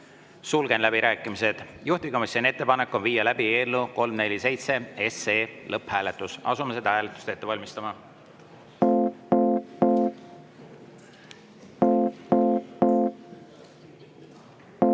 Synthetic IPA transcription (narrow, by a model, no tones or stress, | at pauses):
sulɡ̥e̞nlæbiɾæːkːˑimise̞d̪̥juht̪ikɑmɑksene̞t̪ːe̞pɑnekːˑo̞nviːjɑlæb̥ie̞ːlːuko̞lmne̞lʲise̞jt̪se̞e̞seːlɤpːhæːle̞t̪ːˑusɑ̰sumesed̪ɑhæːlet̪ːˑu̥st̪e̞t̪ːevɑlʲmist̪ɑmɑ